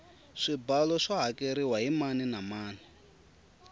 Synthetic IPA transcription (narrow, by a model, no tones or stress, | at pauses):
ʂibalɔʂaɦakʼeɾiwaɦimaninamaːni